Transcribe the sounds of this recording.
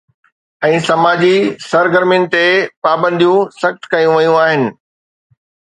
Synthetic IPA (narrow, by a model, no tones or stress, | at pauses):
ɛ̃ːsɐmaːd͡ʑisɐɾɡəɾmijʊnɪ̆t̪epaːbə̃nd̪ʱijũsɐxt̪kɐjũʋɐjũaːɦɪnɪ̆